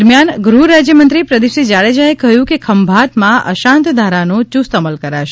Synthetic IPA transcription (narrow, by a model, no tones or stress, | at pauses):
ɾmjanɡɾuɾad͡ʒjəmənt̪ɾipɾəd̪iʃid͡ʒaɭed͡ʒaekəɦjũkekʰəmbʱat̪mãə̰ʃãnt̪d̪ʱaɾanot͡ʃust̪əməlkəɾaʃe